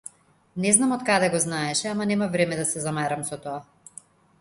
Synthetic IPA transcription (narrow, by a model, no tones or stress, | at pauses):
nɛznamɔt̪̚kad̪ɛɡɔznaɛʃɛamanɛmavɾɛmɛd̪asɛzamaɾamsɔt̪ɔa